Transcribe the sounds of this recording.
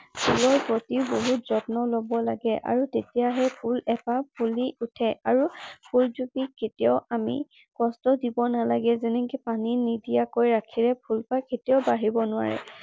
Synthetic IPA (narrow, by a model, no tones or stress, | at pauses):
pʰulɔɹpɹotiboɦutz̥ɔtnɔlobɔlaɡɛʔa̰ɹutetijaɦɛpʰulɛpap̚ʰuliutʰɛaɹupʰulzupiketijaɔʊamḭ | kɔstɔdibɔnalaɡɛzenɛŋkipaninidijakojɹakʰiɹɛpʰulpaketiɔʊbaɦibɔnʊwa̰ɹɛ̰